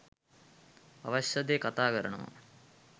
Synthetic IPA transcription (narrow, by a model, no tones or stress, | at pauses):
ɐ̰ʋɐɕjɐd̪eːkɐt̪aːkəɾəɳɐʋɐ̰